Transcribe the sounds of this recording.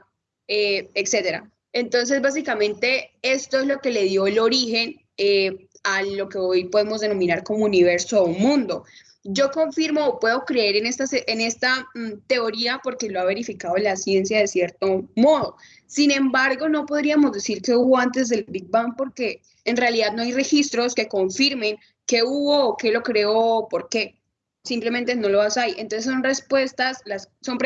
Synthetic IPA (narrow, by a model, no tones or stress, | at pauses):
eekse̞t̪e̞ɾa̰ | ent̪o̞ns̬e̞zbas̬ikamẽ̞nt̪e̞e̞st̪o̞ezlo̞ke̞le̞ðjo̞elo̞ɾixe̞n | e | alo̞ke̞o̞jpoðe̞mo̞zd̪e̞no̞mĩnaɾko̞mouniβ̞e̞ɾsounmũnd̪o̞ | d͡ʒo̞ko̞ɱfiɾmo̞ːpwe̞ðo̞kɾe̞eɾenest̪aseʔene̞st̪at̪e̞o̞ɾiapo̞ɾke̞loaβe̞ɾifikaðolasje̞nsjaðe̞sje̞ɾt̪o̞mo̞ðo̞ | sinẽ̞mbaɾɡo̞no̞po̞ðɾiamo̞zd̪esiɾke̞uβo̞ant̪e̞zd̪e̞lbiɡ̚bam̚po̞ɾke̞ː | nrealiðad̪noajre̞xist̪ɾo̞ske̞ko̞ɱfiɾmẽ̞ŋ | ke̞uβo̞ːke̞lo̞kɾe̞oːpo̞ɾke̞ | simple̞mẽ̞nt̪e̞no̞lo̞asajent̪onseso̞nre̞spwe̞st̪aslasso̞mpɾ